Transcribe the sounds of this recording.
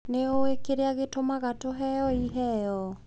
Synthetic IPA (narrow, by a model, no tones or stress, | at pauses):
neoekeɾeaɣetomaɣatoɦɛjɔiɦɛjɔ